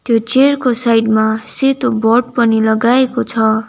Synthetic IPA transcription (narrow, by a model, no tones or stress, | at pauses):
t̪jot͡serkosajɖmaset̪obʌʈ̚pʌnilʌɡaekot͡sʰʌ